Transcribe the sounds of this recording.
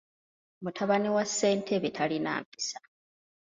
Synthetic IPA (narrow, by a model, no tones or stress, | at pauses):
mutʰaβanewasːe̞ːntʰe̞βetʰalina̰ːmpi̥sḁ